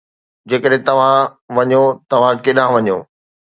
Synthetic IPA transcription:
d͡ʑeːkəɗɦẽt̪ɐʋ̤ã | ʋɐɲot̪ɐʋ̤ãkɪɗãʋɐɲo̰ː

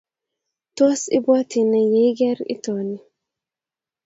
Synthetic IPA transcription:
tɔsḭbɔtinajɛjɡɛɾḭtɔni

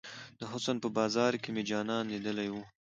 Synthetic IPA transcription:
d̪̥əɦʊsənpəbɑːzɑɾkemed͡ʒɑnɑnːid̪əlajwu

